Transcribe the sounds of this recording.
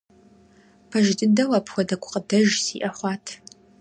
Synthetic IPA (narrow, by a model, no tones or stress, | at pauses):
pʰɐʒɪtʼɨdɐwɐpʰxʷɔdɐkʷʰʼʊ̥qʼədɐʒsiːʔɐχʷɑːtʰ